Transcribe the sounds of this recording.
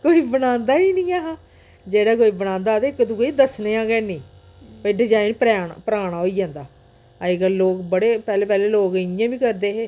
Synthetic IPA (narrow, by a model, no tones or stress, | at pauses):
koːiːbənãːnd̪aːiːnĩːaːɦãː | d͡ʒeːɽaːk̬oːiːbəɽ̃ãːnd̪aːt̪eɪkːt̪ũːkːiːd̪əsneːãːkɛːnĩː | piːɖɪd͡ʒaːinpɾɛpəɾaːɳ̃aːɦoːiːd͡ʒãːnd̪aː | əiːkəloːkbəɽeːpɛːleːpɛːleːloːkɪjãːbĩːkəɾd̪eːɦeː